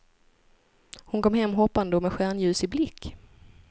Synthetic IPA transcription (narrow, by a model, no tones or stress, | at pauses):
hʊnkɔmɦɛmːɦɔpːand̪əɔmɛɧæːɳjʉ̟ːsɪblɪkː